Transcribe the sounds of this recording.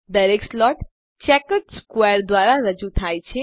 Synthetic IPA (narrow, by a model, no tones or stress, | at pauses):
d̪əɾekslɔʈ | t͡ʃɛkəʈskweəɾd̪ʋaɾaɾəd͡ʒut̪ʰajt͡ʃʰe